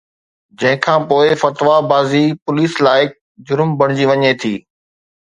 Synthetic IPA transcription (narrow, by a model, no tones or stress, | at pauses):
d͡ʑɐ̃ɦɪ̃kʰãːpoːɪfɐt̪ʋabaːzipʊliːslaːɪk̚ | d͡ʑʊɾmbɐɽ̃d͡ʑiʋɐɲet̪ʰiː